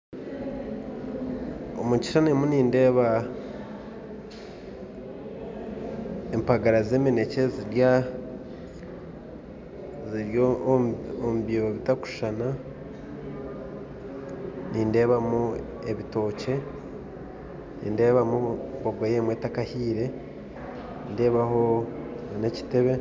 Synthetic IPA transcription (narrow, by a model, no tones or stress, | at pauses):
o̰muci̥ʃanemuniːnde̞ːβa | empaɡaɾaze̞ːmene̞ce̞ziɾja | ziɾjo | omubioβitaku̥ʃana | niːnde̞ːβamu | e̞βito̞ːce̞ | nḭːnde̞ːβamuboɡwojeːmwe̞takahiːɾe̞ | nde̞ːβaɦo̞ | ne̞ci̥te̞βe̞